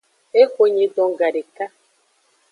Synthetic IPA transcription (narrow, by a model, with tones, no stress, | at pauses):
e˦kʷo˨ɲe˨dɔ˨ŋ˨ɡa˨ɾe˨ka˦